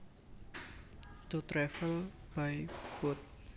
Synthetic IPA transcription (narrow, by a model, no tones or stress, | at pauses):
t̪ut̪ɾɛfəlb̥ajb̥ʊt̪̚